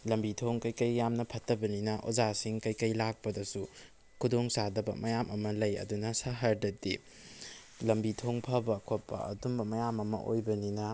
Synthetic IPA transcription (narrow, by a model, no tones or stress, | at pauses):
lɐmbitʰoŋkɐjkɐjːamnɐpʰɐtːɐbɐninɐʔo̰d͡ʒasiŋkɐjkɐjlak̚pɐdɐsu | kʰudoŋsadɐbɐ̰mɐjamʔɐmɐlɐjɐ̰dunɐsaɦɐɾdɐtḭ | lɐmbitʰoŋpʰɐbɐkʰopːɐ̰ɐ̰tumbɐmɐjamɐmɐ̰ʔo̰jbɐninɐ